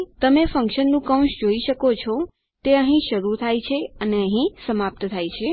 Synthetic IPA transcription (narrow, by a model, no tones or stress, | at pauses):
t̪əmefə̃ŋkʃənːũkə̃w̃ʃd͡ʒoiʃəkot͡ʃʰo | t̪eəɦĩʃəɾut̪ʰajt͡ʃʰeəneəɦĩsəmap̚t̪ət̪ʰajt͡ʃʰe